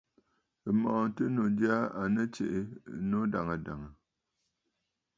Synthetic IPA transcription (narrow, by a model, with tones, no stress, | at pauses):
ɨ˨mɔ˨ʔtɨ˦no˨di˦a˦a˨nə˦t͡ʃḛ˨ʔɪ˨˦no˦da˨ŋə˨da˨ŋə˨